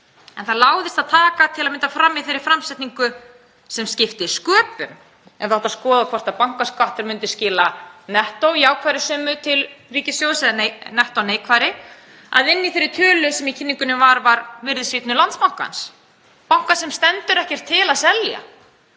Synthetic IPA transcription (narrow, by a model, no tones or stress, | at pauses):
ɛnθaðlaːwðɪst̪aðt̪ʰaːkat̪ʰɪlaðmɪnt̪afɾamːiθeɾɪ̥ɾfɾamsɛht̪niŋkʏ | sɛmscɪft̪ɪskœːpʏm | ɛnθawt̪askɔːðakʰvɔr̥t̪aðpawŋ̥kaskaht̪ɪɾmʏnt̪ɪ̥scɪːlanɛht̪owjaːwkʰvaːɾɪsœːmʏt̪ʰɪlriːcɪsjowsɛðnenɛht̪aːneːjkʰvaːjɾɪ | a̰ðɪnːiθejɾːɪɾt̪ʰœːlʏsɛmicʰɪnːiŋkʏnʏmvaɾvaɾvɪɾðɪsit̪nʏlant̪smaw̥ŋ̥ka̰ns | pawŋ̥kasɛmst̪ɛnt̪ʏɾɛhcɛɾ̥t̪ʰːɪlaðsɛlja̰